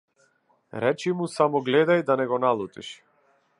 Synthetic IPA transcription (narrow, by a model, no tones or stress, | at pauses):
ɾɛt͡ʃimusamɔɡlɛd̪ajd̪anɛɡɔnalˠut̪ḭʃ